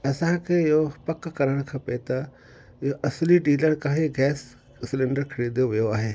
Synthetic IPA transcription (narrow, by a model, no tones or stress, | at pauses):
ɐsãkʰeːɪɦopɐkkɐɾəɽ̃kʰɐ̃pet̪ɐ | ɪɦoʔɐsliɖiːləɽ̃kaːɦeɡɛːs | sɪlẽɳɖəɾkʰɐɽiːd̪joʋijoaːɦeː